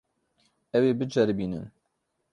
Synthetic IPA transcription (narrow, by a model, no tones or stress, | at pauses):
ɛweːbɨd͡ʒɛɾbiːnɨ̰n